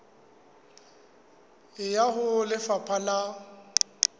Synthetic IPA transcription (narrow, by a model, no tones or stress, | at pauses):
ɪjahʊlɪfapʰala